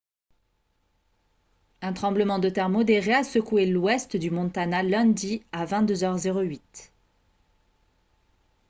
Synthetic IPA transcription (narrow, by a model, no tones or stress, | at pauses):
ɛ̃t̪χɑ̃bləmɑ̃d̪ət̪ɛʁmɔd̪eʁeasəkuelwɛst̪d̪ymɔ̃t̪analɛ̃d̪iavɛ̃t̪̚d̪øzœʁzeʁoɥit̪